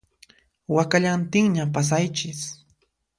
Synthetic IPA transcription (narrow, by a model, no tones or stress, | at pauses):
wakaʎant̪ɪŋɲapas̬ajt͡ʃɪs